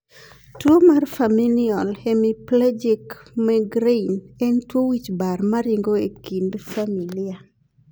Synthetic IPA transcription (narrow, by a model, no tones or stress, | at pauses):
twomarfamiliɔlhemiplad͡ʒikmɛɡɾenɛntwowit͡ʃbarmaɾɪŋɡoekindfamilia